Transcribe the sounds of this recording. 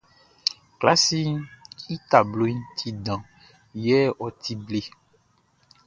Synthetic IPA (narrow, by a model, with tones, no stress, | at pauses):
kla˦si˦i˦t̪a˨blo˦i˦t̪ʰi˦ɖã˨ | jɛ˦ɔ˨t̪i˦ble˦